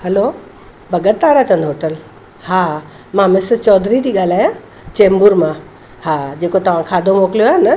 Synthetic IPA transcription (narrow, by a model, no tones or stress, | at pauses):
hɐlo | bʱɐɡət̪ːaːɾat͡ɕɐ̃nd̪ɦoːʈəl | haː | mãmɪsɪt͡ɕɔːd̪ɾit̪ʰiːɠaːl̤aːjãː | t͡ɕẽːmbʊɾmã | haːd͡ʑeːkot̪ɐʋ̤ãkʰaːd̪ʱomoːkljoaːɦnɐ